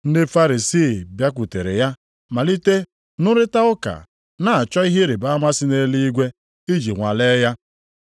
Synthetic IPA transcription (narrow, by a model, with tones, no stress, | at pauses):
n̩˦de˦fa˦ɾi˨si˦˨bja˦kʷu˨te˨ɾḛ˨ja˦ | ma˨li˦te˦ | nʊ˦ɾɪ˦ta˦ʊ˦ka̰˨ | na˨a˨t͡ʃɔ˦i˦ɦe˦ɾɪ˨ba˦a˦ma˦sɪ˦ne˦li˦i˦ɡʷe˦ | i˦d͡ʒi˨ŋʷa̰˨le˦ja˦